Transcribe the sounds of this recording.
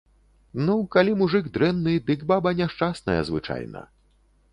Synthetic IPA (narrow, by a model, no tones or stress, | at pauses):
nukalʲimuʐɨɡd̪ɾɛnːɨd̪ɨkbabɐnʲaʂt͡ʂasnɐ̰jɐ̰zvɨ̰t͡ʂa̰jnɐ̰